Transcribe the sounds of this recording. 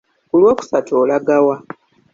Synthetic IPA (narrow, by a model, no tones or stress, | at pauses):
kulwo̞ːku̥satʰoːlaɡawa